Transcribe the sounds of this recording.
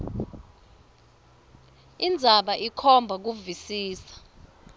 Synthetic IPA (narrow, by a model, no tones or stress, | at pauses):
ind͡zʱaɓaʔikʰɔmbʱak̬uvisiːsḁ